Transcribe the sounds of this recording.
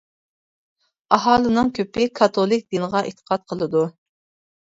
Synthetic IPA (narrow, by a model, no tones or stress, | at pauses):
ɑɦɑːlˠɨnɨŋkʲʰøpɪkʰɑt̪ʰolˠɪk̚ʲd̪ɨnɨʁɑʔḛt̪ʰə̥qʰɑt̪̚qʰəlˠɨd̪u